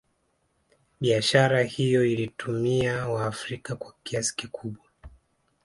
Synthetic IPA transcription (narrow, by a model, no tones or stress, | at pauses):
ɓiaʃaɾahijɔilitumiawaːfɾikakwakiasi̥kikʰuɓwa